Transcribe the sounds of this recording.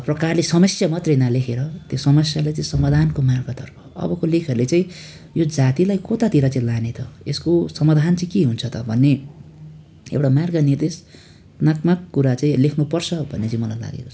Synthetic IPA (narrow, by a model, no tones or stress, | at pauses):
prʌkarlesʌmʌsjamʌt̪rejnalekʰeɾʌt̪josʌmʌsjalajt͡sãĩsʌmad̪ʱankomarɡʌt̪ʌrpʰʌ̥ʌ̰bʌkolekʰʌɾulet͡saĩ | jod͡zat̪ilajkot̪at̪iɾʌt͡saĩlanet̪ʰʌeskosʌmad̪ʱant͡saĩkiɦunt͡sʰʌt̪ʌbʱʌnːe | ḛwʈamarɡʌnird̪es | nakmakːuɾat͡saĩlekʰnupʌrt͡sʰʌbʱʌnːet͡saĩmʌlajla̰ɡḛkot͡sʰʌ̥